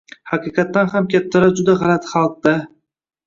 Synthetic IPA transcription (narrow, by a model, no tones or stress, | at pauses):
hɑqɨqɑt̪ːanhamkʲʰat̪ʰːaɾad͡ʒʊd̪aʁɑlat̪χɑlˠq̚d̪a